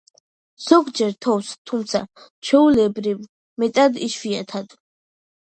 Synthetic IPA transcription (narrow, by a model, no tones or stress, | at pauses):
z̥ɔɡd͡ʒɛɾt̪ʰɔfst̪ʰumt̪sʰa̰ | t͡ʃʰɛulɛbɾiv | mɛt̪ʼad̪iʃwiat̪ʰad̪